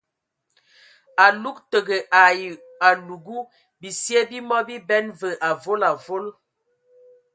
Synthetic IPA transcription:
a˨lu˦k̚tə˨ɡə˨ʔa˨ | a˨lu˨ɡu˦ | bi˨sjɛ˦bi˦mɔ˦bi˦bɛ˦nvə˨ʔa˨vo˦la˨vo˦l

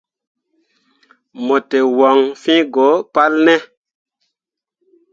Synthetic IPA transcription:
mo˨te˨wɔ˨ŋfĩ˦ɡo˨˦pa˦lnɛ˦

